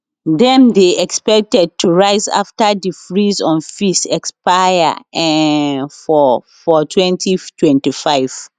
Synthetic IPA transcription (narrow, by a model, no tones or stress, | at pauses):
dɛ̃ndeʔɛkspɛk̚tɛd̚tʰuɹaɪza̰ftadifɹizɔ̃nfisɛkspaja̰ɛ | fɔ | fɔtʰwɛ̃ntʰitʰwɛ̃ntifaɪv̥